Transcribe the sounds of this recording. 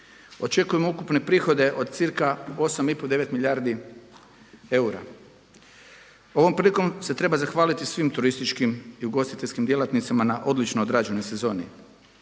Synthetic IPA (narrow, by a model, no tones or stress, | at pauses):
o̞t͡ʃe̞kuje̞moukupne̞pɾiːxo̞d̪e̞ʔo̞d̪̚t̪siɾkao̞samipo̞d̪e̞ʋe̞t̪miʎaːɾd̪i | e̞uɾa̰ | o̞ʋo̞mpɾiːliko̞mse̞t̪ɾe̞bazaxʋaːlit̪isʋimt̪uɾist̪it͡ʃkimiuɡo̞st̪it̪eʎʲskimd̪je̞lat̪nit̪samanaʔo̞d̪lit͡ʃnojod̪ɾad͡ʒeno̞jse̞zo̞ːnḭ